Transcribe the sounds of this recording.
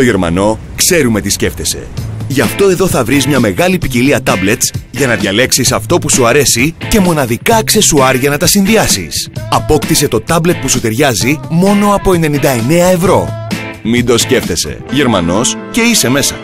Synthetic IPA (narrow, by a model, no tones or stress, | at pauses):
t̪o̞ʝe̞ɾmɐ̰no̞ | kse̞ɾume̞t̪isce̞ft̪e̞se̞̰ʝɐft̪o̞e̞ðo̞θɐvɾizmɲɐme̞ɣɐlipiciliɐt̪ɐble̞t̪sʝɐnɐðʝɐle̞ksisɐft̪o̞pusuɐɾe̞sice̞mo̞nɐðikɐkse̞suɐɾʝɐnɐt̪ɐsinðiɐsḭsɐpo̞kt̪ise̞t̪o̞t̪ɐble̞t̪̚pusut̪e̞ɾʝɐzimo̞no̞ɐpo̞e̞ne̞nind̪ɐe̞ne̞ɐe̞vɾo̞ | mid̪o̞sce̞ft̪e̞se̞̰ʝe̞ɾmɐno̞s | ce̞ise̞me̞sɐ̰